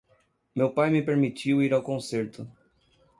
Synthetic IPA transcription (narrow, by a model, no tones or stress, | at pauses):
mewpajmɪpeɾmit͡ʃiwiɾawkõseɾt̪ʊ